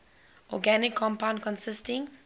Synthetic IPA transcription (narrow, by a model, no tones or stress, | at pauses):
ʔɔ̰ɡænɪkʰːɔ̃mpãʊ̃ndkɔ̃nsɪstɪ̃ŋ